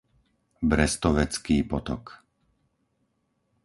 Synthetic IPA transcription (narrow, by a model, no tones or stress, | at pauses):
bɾɛst̪ɔʋɛt͡skiːpɔt̪ɔ̰k